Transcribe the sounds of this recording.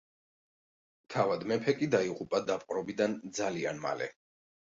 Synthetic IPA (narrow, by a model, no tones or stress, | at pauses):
t̪ʰavad̪mɛpʰɛkʼid̪aiʁupʼad̪apʼqʼɾɔbid̪and̪zalia̰nma̰lɛ̰